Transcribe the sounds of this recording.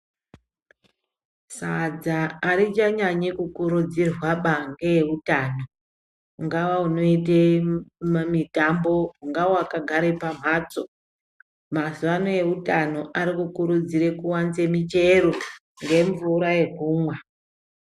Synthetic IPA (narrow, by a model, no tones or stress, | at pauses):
sad͡zaːɾit͡ʃaɲaɲikukuɾud͡zirwaɓaŋɡejeutaːno̞ | uŋɡaʋauno̞ite | mitambo̞ɦuŋɡaoakaɡʱaɾepam̤aːt͡so | mazuʋano̞je̞utano̞ʔaɾikukuɾud͡ziɾe̞kuwant͡se̞mit͡ʃe̞ɾo̞ | ŋɡe̞ɱvuɾaje̞kuːmwa